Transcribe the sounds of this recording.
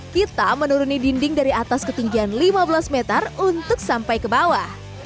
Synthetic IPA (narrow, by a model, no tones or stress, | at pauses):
kit̪amənuɾunidindɪŋdaɾiat̪askət̪iŋɡianlimabəlasmet̪ərunt̪ʊksampajkəbawah